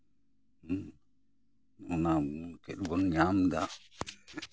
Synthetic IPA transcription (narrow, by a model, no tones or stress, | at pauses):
ɔnakɛɗbɔnɲamd̪a